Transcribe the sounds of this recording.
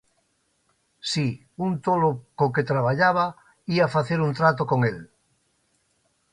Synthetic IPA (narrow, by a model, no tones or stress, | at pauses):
si | unt̪olokoket̪ɾaβ̞aʎaβa | iafaθeɾunt̪ɾat̪okoŋel